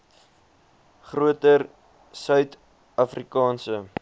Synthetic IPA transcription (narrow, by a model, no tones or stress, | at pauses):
χruətər | sœɥt | ɐfrikɑːnsə